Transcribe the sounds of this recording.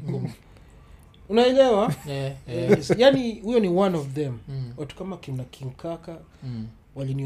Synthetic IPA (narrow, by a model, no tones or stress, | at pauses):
unaɛlɛwa | sjanihujɔniwãnɔvðɛ̃mwatu̥kamakinakʰiŋkʰaka | walini